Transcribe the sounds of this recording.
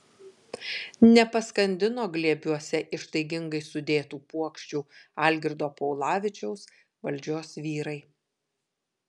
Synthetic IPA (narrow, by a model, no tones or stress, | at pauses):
nʲɛpɐskɐnʲd̪ʲɪnoːɡlʲiɛbʲuɔsʲɛʔɪʃt̪ɐɪɡʲɪŋɡɐɪsʊd̪ʲeːt̪uːpuɔkʃʲt͡ʃʲuːɐlʲɡʲɪɾd̪oːpɔʊlˠɑːʋʲɪt͡ʃʲɛʊs | ʋɐlʲd͡ʒʲoːsʋʲiːɾɐɪ